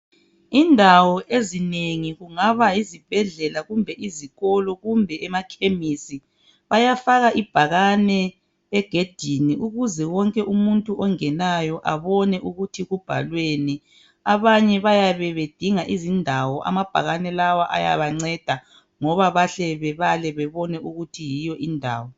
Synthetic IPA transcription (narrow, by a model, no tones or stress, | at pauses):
indʱawɔʔezineŋiɣuŋaβajizib̥ʱɛɮɛlaɣumbʱɛʔiziɣɔlɔɣumbʱɛɛmakʰemisi | βajafaɣaʔib̥ʱaɣanɛ | ɛɡ̥ʱed̥ʱiniʔuɣuzɛwɔŋkʼɛʔumuntʼuʔɔŋɛnajɔʔaβɔnɛʔuɣutʰiɣub̥ʱa̰lweni | aβaɲɛβajaβɛβed̥ʱiŋaʔizindʱawɔʔa̰mab̥ʱaɣanɛlawaʔa̰ja̰βaŋ͡ǀɛd̥ʱa | ŋɔβaβaɬɛβɛβalɛβɛβɔnɛʔuɣutʰijijɔʔindʱa̰ːwɔ